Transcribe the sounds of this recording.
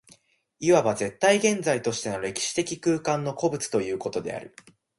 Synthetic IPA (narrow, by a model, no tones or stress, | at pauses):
iβabaze̞t̪ːaiɡẽ̞nd͡zait̪o̞ɕi̥t̪e̞no̞ɾe̞kʲi̥ɕi̥t̪e̞kʲikɯ̟ːkãnːo̞ko̞bɯ̟t͡sɨ̥t̪o̞jɯ̟ːko̞t̪o̞d̪e̞̰a̰ɾɯ̟